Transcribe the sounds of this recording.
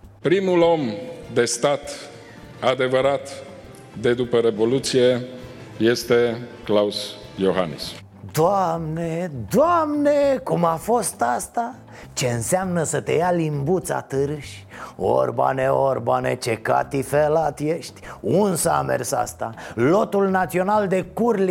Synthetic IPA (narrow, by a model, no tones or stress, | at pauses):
pɾimulo̞md̪e̞st̪at̪ | ad̪e̞vəɾat̪ | d̪e̞d̪upəɾe̞vo̞lut̪sije̞je̞st̪e̞klaus | joɦanḭs | d̪oamned̪oamnekumafo̞st̪ast̪a | t͡ʃe̞ɨnseamnəsət̪e̞jalimbut̪sa̰t̪ɨɾɨʃʲ | o̰rba̰neo̞rbanḛt͡ʃe̞ka̰t̪ifelat̪je̞ʃt̪ʲunsəa̰mḛrsa̰st̪alo̞t̪ulnat̪sio̞nald̪e̞kurli